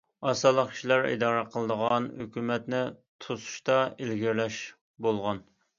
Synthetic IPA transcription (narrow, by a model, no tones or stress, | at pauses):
ɑsɑlˠəqkʲʰi̥ʃilæɾḭd̪ɑːɾæqʰəlˠəd̪əʁɑnhøkʲymɛt̪nɪt̪ʰosu̥ʃt̪ɑelɡʲiɾlɛʃ | bolˠʁɑn